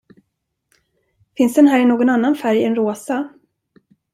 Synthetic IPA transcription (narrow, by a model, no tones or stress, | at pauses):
fɪnsd̪ɛnɦæːɾɪnoːɡɔnanːanfæɾjɪɛnɾoːsa